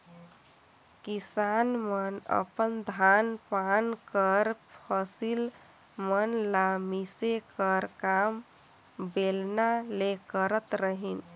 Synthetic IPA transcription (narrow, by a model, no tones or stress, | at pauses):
kisanmənə̰pənd̪ʱanpankəɾpʰəsil | mənlamisekəɾkam | belnalekəɾət̪ɾəɦin